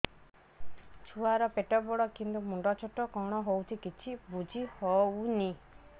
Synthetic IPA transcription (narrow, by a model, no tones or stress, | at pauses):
t͡ʃʰuaɾɔpeʈɔbɔɽɔkint̪umuɳɖɔt͡ʃʰoʈɔkɔɽ̃ɔɦowt͡ʃʰikit͡ʃʰibud͡ʒʱihɔwni